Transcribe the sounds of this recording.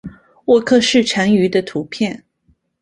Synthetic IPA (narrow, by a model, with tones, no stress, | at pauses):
wɔ˥˧kʰɤ˥˧ʂɻ̩˥˩ʈ͡ʂʰa˧˥ŋy˧˥d̪ə˧t̪ʰu˧˥pʰjɛ˥˩n